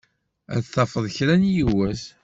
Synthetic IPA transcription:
æ̰ðθɑfəðˤçɾænjiwæs

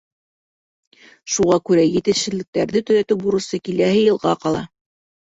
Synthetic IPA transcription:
ʃuʁɑkʉɾæjɘ̆t̪ɘ̆ʃɘ̆lːɘ̆k̚t̪æɾðɘt̪ɵ̆ɾæt̪ɘbuɾɤ̆sɤkilæhɘjɤ̆lˠʁɑqɑlˠɑ̰

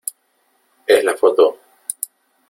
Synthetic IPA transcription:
ezlafot̪o

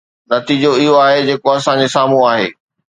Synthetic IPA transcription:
nɐt̪iːd͡ʑoɪɦoaːɦed͡ʑeːkoɐsãɲd͡ʑesaːm̤ũaːɦḛː

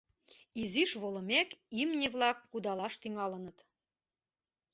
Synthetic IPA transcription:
iziʃβolə̆mekimnʲeβlɑkːud̪ɑlɑʃt̪yŋɑlənət̪

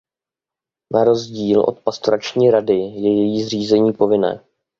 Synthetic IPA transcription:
naɾo̞zɟiːlʔo̞̰t̪past̪oɾat͡ʃɲiːɾadɪjɛjɛjiːzriːzɛɲiːpo̞vɪnɛ̰ː

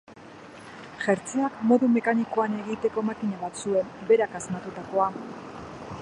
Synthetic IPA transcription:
ʝeɾt͡siakmo̞ðume̞kaniko̞ane̞ɣit̪e̞ko̞makiɲaβat̪sue̞mbe̞ɾakazmat̪ut̪ako̞a

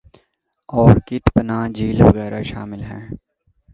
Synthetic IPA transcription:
ɔːɾkɪt̪pənaːd͡ʒiːlʋɐɣɛːɾaʃa̰ːmɪlɦɛ̃ː

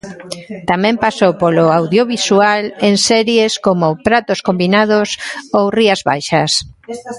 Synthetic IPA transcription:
t̪amɛ̃mpasowpoloawðjoβisualensɛɾjeskomʊpɾat̪oskombinaðʊsowriazβa̰jʃɐs

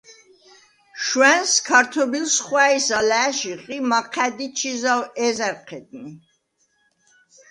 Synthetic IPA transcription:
ʃwɛnskʰaɾt̪ʰɔbilsχwæisalæʃiqʼimaqʰæd̪it͡ʃʰizawɛzɛɾqʰɛd̪ni

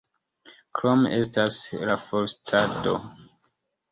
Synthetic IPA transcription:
kɾome̞staslafoɾstʰato̞̰

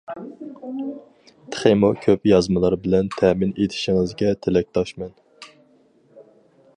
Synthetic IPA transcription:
t̪ʰə̥χemokʲʰøpjɑzmɨlˠɑɾbɪlɛnt̪ʰɛmɪnet̪ʰɪ̥ʃɪŋɪzɡʲɛt̪ʰelɛk̚ʲt̪ʰɑʃmɛn

